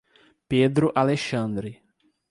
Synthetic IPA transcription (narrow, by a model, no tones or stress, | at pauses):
ped̪ɾʊʔaleʃɐ̃nd̪ɾɪ